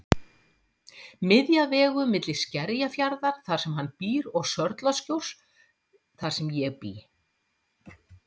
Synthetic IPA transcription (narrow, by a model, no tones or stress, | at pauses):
mɪðjavɛːɣʏmɪt̪lɪ̥scɛɾjafjaɾðaɾ̥θaɾ̥sɛmhanːpiːɾɔɣsœɾt̪lascowr̥s | θḁsɛmjɛɣpḭː